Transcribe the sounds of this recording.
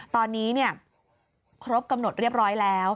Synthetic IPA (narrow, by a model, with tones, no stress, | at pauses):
t̪ɔː˧nːiː˦˥ni˥˩ɐ | kʰɾo˦˥p̚ka˧mno˨˩t̪̚ɾi˥˩əp̚ɾɔː˦˥jlɛː˦˥w